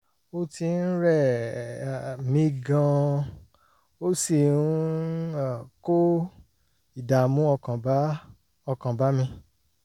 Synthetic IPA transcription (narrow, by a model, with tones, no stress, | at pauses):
o˧ti˧n̩˦ɾɛ˦˨ | mĩ˧˦ɡã˧ | o˦si˦˨n˦a˦˨ko˦ | i˦˨da˨mũ˨˦ɔ˧kã˨b | ɔ˧kã˨ba˨˦mĩ˧